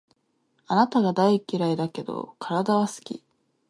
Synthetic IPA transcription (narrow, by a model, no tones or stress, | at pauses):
anat̪aɡad̪aikʲːiɾaid̪ake̞d̪o̞̰kʰaɾad̪aβasɨ̥kʲḭ